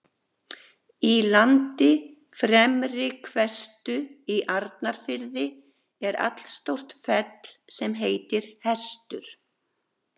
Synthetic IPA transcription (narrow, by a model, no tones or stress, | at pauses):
ilant̪ɪ | fɾɛmrɪkʰvɛst̪ʏiʔaɾt̪naɾ̥fɪɾðɪ | ɛɾa̰t̪l̥st̪owr̥t̪fɛt̪l̥sɛmɦeːjt̪ɪɾ̥hɛst̪ʏɾ̥